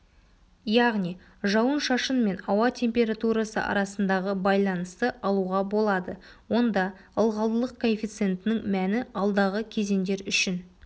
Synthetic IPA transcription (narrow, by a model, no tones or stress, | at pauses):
jɑʁnij | ʒɑwənʃɑʃənme̞nɑwɑt̪ʲʰe̞mpʲe̞ɾat̪uɾɑsə̰ʔɑ̰ɾɑsənd̪ɑʁəbɑjlˠɑnəst̪əʔɑlˠuʁɑbo̞lˠɑd̪əwo̞nd̪ɑ | əlˠʁɑlˠəlˠəqkʰofʲit̪sɨe̞nt̪ɪnɪŋmænɪɑlˠd̪ɑʁəkʲʰe̞ze̞nd̪e̞ɾʏʃɪn